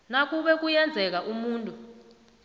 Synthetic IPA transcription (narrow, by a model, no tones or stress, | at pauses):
nak̬ʼuɓɛk̬ujɛnd͡zʱɛk̬aʔumuːntʼu